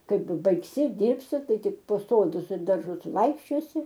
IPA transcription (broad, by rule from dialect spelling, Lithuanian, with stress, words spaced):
ˈkɐɪp bɐɪkˈsʲɪ ˈdʲiːrʲpʲsʲɪ ˈtɐɪ ˈtʲɪk poː ˈsoːdʊs ɪr dɐrˈʒʊs ˈʋɐɪkʃʲt͡ʃʲoːsʲɪ